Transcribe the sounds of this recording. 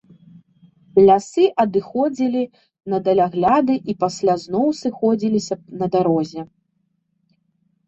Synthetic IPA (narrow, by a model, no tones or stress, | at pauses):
lʲasɨʔɐd̪ɨxɔd͡zʲilʲi | nɐd̪ɐlʲaɣlʲad̪ɨʔipasʲlʲaznɔwsɨxɔd͡zʲilʲisʲɐnɐd̪aɾɔzʲɛ